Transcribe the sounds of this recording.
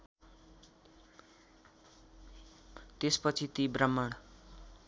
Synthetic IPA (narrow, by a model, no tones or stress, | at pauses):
t̪espʌt͡sʰit̪ibrʌmːʌɽ̃